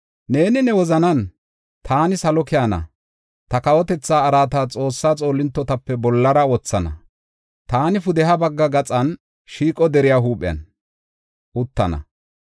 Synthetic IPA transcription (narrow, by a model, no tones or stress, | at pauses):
ne̞ːnɪnɛwɔzɐnɐn | t̪ʰaːnɪsɐlɔkɪjanɐ̰ | t̪ɐkɐwɔt̪ɛt͡sːaːɾaːt̪aːt͡sʼo̞ːsːaːt͡sʼo̞ːlːɪnt̪ːɔt̪ɐpːɛbɔlːɐɾɐɔt͡sːɐnɐ̰ | t̪aːnɪfʊd̪ɛɦɐbɐɡːɐɡɐt͡sʼɐn | ʃiːkʼɔd̪ɛɾɪjaːɦuːpʼɪjɐ̰n | ʔʊt̪ːɐnɐ̰